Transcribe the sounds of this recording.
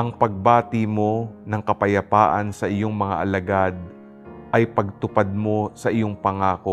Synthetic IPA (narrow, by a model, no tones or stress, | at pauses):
ʔɐŋpɐɡ̚baːt̪ɪmo̞nɐŋkɐpɐjɐpa̰ːʔɐnsɐʔɪjo̞ŋmɐŋa̰ʔɐlɐɡad̪̚ | ʔɐjpɐɡ̚t̪ʊpad̪̚mo̞sɐʔɪjo̞ŋpɐŋaːko̞